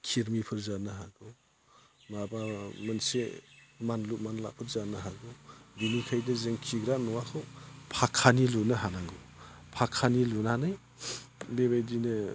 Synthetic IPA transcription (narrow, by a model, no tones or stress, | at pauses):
kʰiɾmipʰɯɾzanɯɦaɡɯw | mabamɯnsemanlumanla̰ʔpʰɯɾzanaɦaɡɯwbinikʰajdazeŋkʰiɡɾanɔwakʰɯwpʰakʰːanilunɯɦanaŋɡɯ | pʰakʰːanilunanɯj | bebajdinɯ